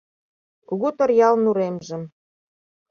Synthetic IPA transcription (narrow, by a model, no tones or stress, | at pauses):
kuɣut̪ə̆rjɑlnuɾemʒə̆m